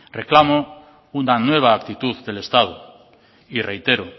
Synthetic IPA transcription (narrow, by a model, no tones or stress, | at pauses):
reklamo | unanweβ̞aːk̚t̪it̪uððelest̪aðo | irejt̪eɾo